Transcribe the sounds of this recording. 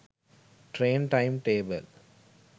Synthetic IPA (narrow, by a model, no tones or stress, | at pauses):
ʈɾẽːnʈãɪmʈeːbə̰l